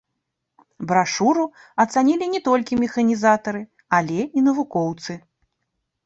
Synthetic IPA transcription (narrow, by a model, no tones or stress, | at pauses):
bɾaʂuɾu | ɐt̪sanʲilʲinʲɛt̪ɔlʲkʲimʲɛxɐnʲizat̪ɐɾɨ | alʲɛinɐvukɔwt̪sɨ